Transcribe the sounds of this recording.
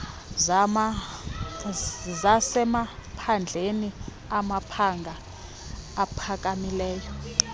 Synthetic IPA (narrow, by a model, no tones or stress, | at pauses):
zasɛmapʰand͡ɮʱeni | amapʰaŋɡʱaː | pʰak̬ʼamilɛːjɔ